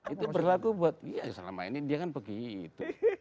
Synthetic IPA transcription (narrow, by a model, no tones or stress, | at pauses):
it̪upərlakubuat̪̚ijasəla̰ma̰ḭnidiakanpəɡit̪u